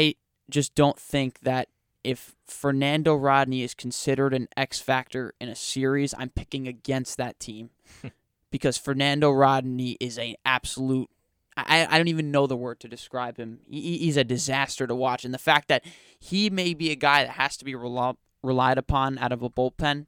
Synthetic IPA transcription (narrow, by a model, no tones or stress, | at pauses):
aɪ̥ | d͡ʒʌsd̥õʊ̃nθɪ̃ŋk̚ðɨɾ | ʔɪf | ə˞næ̃ndoʊɹɑdⁿniɨz̥kʰn̩sɪɾə˞ɾɨ̃nɛksfæk̚tə˞ɨ̃nɨsɪɹizã̰ɪ̃mpʰɪkɪ̃ŋɨɡɛ̃nst̪̚ðɨtʰĩm | b̥ɨkʰʌz̥fə˞næ̃ndoʊɹɑdⁿn̩iʔɪzɨ̃næb̥səlut̚ | aɪʔa̰ɪaɪdõʊ̃ntivɨ̃nːoʊðəwɜ˞d̚tʰɨdɨskɹaɪb̥̚ɨ̃miːzɨdɨzæstə˞ɾəwɑt͡ʃɨ̃n̩ðɨfæk̚ðɨt̚ | himeɪbiɨɡaɪðɨt̚hæz̥tʰəbiɹ | ɹəlaɪɾɨpʰɑ̃næ̰ɾəməboʊt̚pʰɛ̃n